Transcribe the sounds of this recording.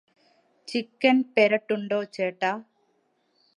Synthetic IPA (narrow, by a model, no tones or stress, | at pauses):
t͡ʃikːɐnpeɾɐʈːuɳɖoːt͡ʃeːʈːaː